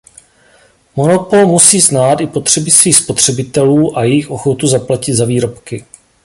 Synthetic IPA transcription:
mo̞nopo̞lmusiːznaːt̪ɪpo̞t̪r̝̥ɛbɪsviːxspo̞t̪r̝̥ɛbɪt̪ɛluːʔajɛjɪxʔo̞xo̞t̪uzaplacɪd̪zaviːɾo̞pkɪ

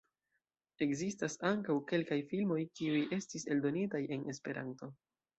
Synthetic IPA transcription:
e̞kzistasaŋkawke̞lkajfilmo̞jkiuje̞stise̞ldo̞nitaje̞ne̞spe̞ɾʔa̰nto̞

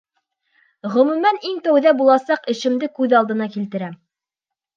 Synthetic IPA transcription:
ʁɵ̆mʉ̆mæniŋt̪æwðæbulˠɑsɑqɘ̆ʃɘ̆md̪ɘkʉðɑlˠd̪ɤ̆nɑkilt̪ɘ̆ɾæm

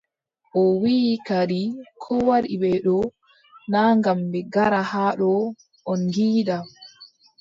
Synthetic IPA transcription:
ʔɔwikaɾikʰɔwaɗiɓɛɗɔ | naːŋɡambɛɡaɾahaːɗɔ | ʔɔnɡiːɗa

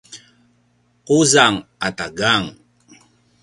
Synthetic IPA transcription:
quzaŋataɡaŋ

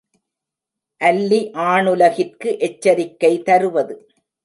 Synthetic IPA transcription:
ʔɐlːiʔaːɳɯlɐɣɪrkɯʔɛt͡ʃːɐɾɪkːɐɪt̪ɐɾɯʋɐðɯ

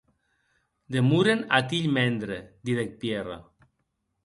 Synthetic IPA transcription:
d̪emuɾenat̪iʎmɛnd̪ɾed̪iðek̚pjera̰

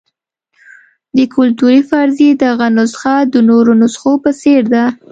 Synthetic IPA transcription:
d̪əkʰʊlt̪uɾifɑɾzed̪əɣanʊsxɑd̪ənoɾonosxopəseɾd̪a

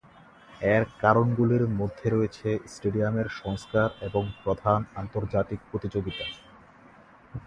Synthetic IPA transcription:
ɛɾkaɾonɡuliɾmod̪ʱːeɾoet͡ɕʰesʈeɖiameɾʃɔŋskaɾeboŋpɾod̪ʱanant̪oɾd͡ʑat̪ik̚pɾot̪it͡ɕoɡit̪a

